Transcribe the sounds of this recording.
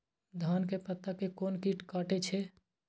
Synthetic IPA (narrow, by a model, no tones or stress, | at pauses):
d̪ʱaːnkepət̪ːakekoːnkiʈkaːʈet͡ʃʰe